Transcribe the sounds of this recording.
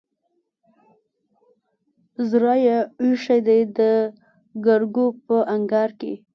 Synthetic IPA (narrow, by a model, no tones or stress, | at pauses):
zɾɑjauʃajd̪ajd̪ə | ɡaɾɡopəʔaŋɡɑɾkḛ